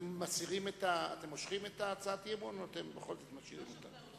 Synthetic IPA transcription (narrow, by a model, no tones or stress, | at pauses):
asiʁime̞taa̰t̪e̞moʃχime̞taːt͡saatjebonoate̞mbeχo̞lzo̞t̪masiʁimo̞t̪a̰n